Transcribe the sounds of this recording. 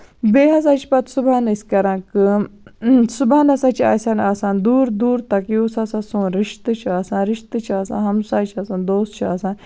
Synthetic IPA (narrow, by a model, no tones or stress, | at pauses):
beːɦɐs̬aːt͡ʃʰi̥pɐt̪subaːnɐsʲkɐɾãːkɨ | subaːnɐsãːt͡ʃʰia̰ːsʲanaːsaːnd̪uːɾd̪uːɾt̪ɐkiosɐsãsũɾɪʃt̪ɨt͡ʃʰiaːsãːnɾɪʃt̪ɨt͡ʃʰaːsã̰ːɦɐmsaːt͡ʃʰɐsãːnd̪oːst̪t͡ʃʰiaːsãːn